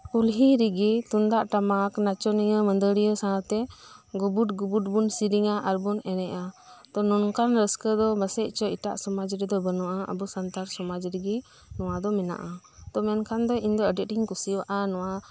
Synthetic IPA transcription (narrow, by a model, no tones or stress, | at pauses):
kulɦiɾiɡit̪und̪aʔʈamaknat͡ʃɔniŋəmənd̪əɾijəsãat̪ɛɡubuʈɡubuʈ̚bunsiɾiŋaʔaɾbunɛnɛʔa | t̪ɔnɔnkanɾəskəd̪ɔbəsɛc̚t͡ʃɔiʈa̰ʔsɔmad͡ʒɾɛd̪ɔbənɔwʔaə̰busant̪aɾsɔmad͡ʒɾiɡi | nɔwad̪ɔmɛna̰ʔa | t̪ɔmɛnkʰand̪ɔind̪ɔəɖɛiŋkusiwʔanɔwa